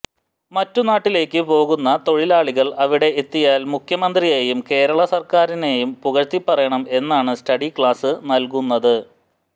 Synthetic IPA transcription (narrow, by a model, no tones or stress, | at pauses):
mɐtːunaːʈːile̞ːkːɨpo̞ːɣunːɐt̪o̞ɻilaːɭiɣɐɭɐʋiɽe̞it̪ːijaːlmukʰjɐmɐnd̪rije̞ːjumke̞ːɾɐɭɐsɐrkaːɾine̞jumpuɣɐɾt̪ːipːɐrɐjɐɳɐme̞nːaːɳɨstɐɽikɭaːsɨnɐlkunːɐðɨ